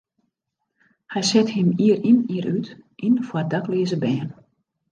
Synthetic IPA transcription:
hɛjsɛthɪmiəriniəɾytʔinfwadakliəzəbɛːn

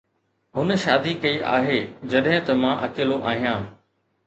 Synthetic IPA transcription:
ɦʊnə̆ʃaːd̪ikɐiʔa̰ːɦeːd͡ʑɐɗɦɪ̃t̪ɐmãʔɐkɪːloʔaːɦijãː

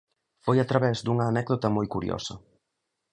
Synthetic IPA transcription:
fojat̪ɾaβɛzd̪uŋɐːnɛkðot̪ɐmojkuɾj̰o̰sɐ

